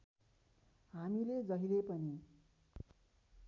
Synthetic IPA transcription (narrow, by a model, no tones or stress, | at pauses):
ɦamiled͡zʌɦilepʌni